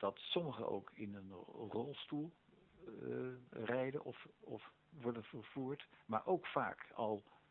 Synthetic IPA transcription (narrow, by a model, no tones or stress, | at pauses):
d̥ɑtsɔməχə̰no̰wkʰɪnənrɔlˠstulˠ | rɛjdənʔɔfɔf | ʋɔɹdəvəɹv̥uːɹtma̰ːɹʔowkfa̰ːkɑlˠ